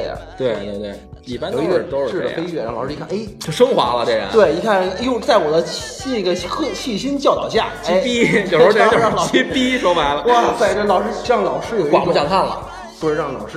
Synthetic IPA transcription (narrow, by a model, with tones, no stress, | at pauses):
ɐ̰˩t̪we˥˩ɪt̪we˥˧t̪we˥˩ | i˥˩pa˥n˨˧˩i˥ɛ˥˧˩t̪o˥˧˥ɻ̩˥˩˧d̪ə̰˧fe˥ɪt͡ɕɥɛ˥˩ɻŋlɑ˨˩ɻ̩˥˧˥kʰne˥˩ɪ˧ʂɤ˥ŋxwa̰˧˥lə˧ʈ͡ʂe˥˩ɪə̰˧˥˦we˥˩ɪi˧˥kʰa˥˩njo˥˧ʊt͡sa˥˩ɪwɔ˨˩d̪ə˦ | i˥˩ɡə˩xt͡ɕʰi˥˩ɕ̬i˥nt͡ɕjɑ˥˧ʊt̪ɑ̰˨˩ʊɕ̬ja̰˥˩ei˥˩pi˥jo˨˩˧ɑ˥˩ŋlɑ˨˩˧i˥ppi˥ʂwɔ˥ma˧˥ɪlə˧wɔ˧˥fa˧˩ʈ͡ʂə˧˩lɑ˨˩ʊʂɻ̩˥ɑ˥˩ŋlɑ˨˩ʊʂɻ̩˥jo˨˩ʊiwpjɑ˥˧˩k̪ʰa˥˩nlə̰˩ | pu˥˧ʂɻ̩˥˧ɻɑ˥˩ŋlɑ̰˨˩ʊʂɻ̩˥˩